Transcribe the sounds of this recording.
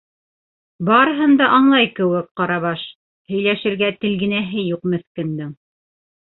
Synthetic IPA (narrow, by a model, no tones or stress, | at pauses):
bɑɾɤ̆ɦɤnd̪ɑʔɑɴlˠɑjkɘ̆wɘk̚qɑɾɑβɑʃ | hɵ̆jlæʃɘ̆ɾɡæt̪ɘ̆lɡɘ̆næɦɘjuqmɵ̆θkɘ̆nd̪ɘŋ